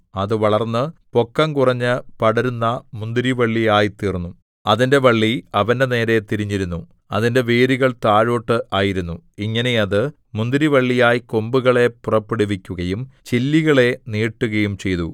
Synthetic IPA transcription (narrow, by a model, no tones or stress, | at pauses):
ɐðɨʋɐɭɐrnːɨpo̞kːɐŋkurɐɲːɨpɐɽɐɾunːɐmund̪iɾiʋɐɭːijaːjit̪iːrnːu | ɐðinde̞ʋɐɭːiɐʋɐndene̞ːɾe̞t̪iɾiɲːiɾunːu | ɐ̰ðinde̞ʋeːɾiɣɐɭt̪aːɻo̞ːʈːɨʔaːjiɾunːuiŋːɐne̞ɐðɨ | mund̪iɾiʋɐɭːijaːjiko̞mbuɣɐɭe̞purɐpːeɽuʋikʲːuɣɐjumt͡ɕilːiɣɐɭe̞niːʈːuɣɐjumt͡ɕe̞jt̪u